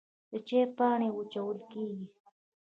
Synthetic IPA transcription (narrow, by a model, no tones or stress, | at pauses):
d̪ət͡ʃeːpaːɳewut͡ʃawəlkeːɡi